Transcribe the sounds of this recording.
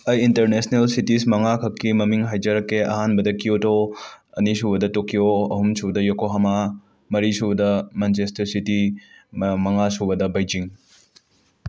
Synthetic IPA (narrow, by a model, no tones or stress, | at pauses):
ɐjintɐɾnesnelsitismɐŋakʰɐkːimɐmiŋɦajd͡ʒɐɾɐkːeɐ̰ɦanbɐdɐkiotoɐ̰nisubɐdɐtokijoɐɦumsudɐjokoɦɐma | mɐɾisubdɐmant͡ʃestɐɾsiti | mɐŋasubɐdɐbɐjd͡ʒiŋ